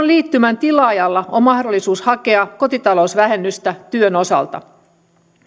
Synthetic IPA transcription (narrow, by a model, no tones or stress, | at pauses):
nliːt̪ːymænt̪ilɑːjɑlːɑommɑhdo̞lːisuːshɑke̞ɑko̞t̪it̪ɑlousʋæɦe̞nːyst̪æt̪yøno̞sɑ̰lt̪ɑ̰